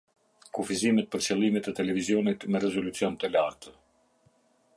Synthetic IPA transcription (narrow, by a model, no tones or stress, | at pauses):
kufizimɛt̪̚pəɾsɛlˠimɛt̪ɛt̪ɛlɛvizijɔnit̪mɛɾɛzɔlut͡siɔnt̪əlaɾt̪ə